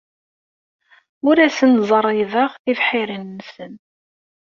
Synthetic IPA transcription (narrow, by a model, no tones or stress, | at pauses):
ʊɾæsənzˤərˤːiðəʁθifħɪɾənːsən